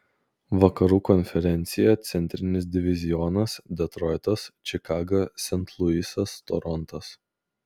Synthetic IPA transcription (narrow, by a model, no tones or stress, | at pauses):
ʋɐkɐɾuːkɔnʲfʲɛɾʲɛnʲt̪sʲɪjɛt̪sʲɛnʲt̪ʲɾʲɪnʲɪs̬d̪ʲɪʋʲɪzʲɪjɔnɐsd̪ʲɛt̪ɾɔɪt̪ɐst͡ʃʲɪkɑːɡɐsʲɛnt̪ʰlˠʊisɐst̪ɔ̰ɾɔnt̪ɐs